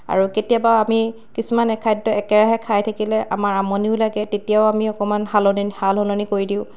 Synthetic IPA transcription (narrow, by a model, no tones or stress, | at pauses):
a̰ɹuketijabaami | kisumanɛkʰajdːɔɛkɛɹaɦɛkʰajtʰakilɛʔa̰maɹamɔniʊlaɡɛtetijaʊamiɔkɔmanhalɔnihalɦɔlɔnikoɹidiʊ̃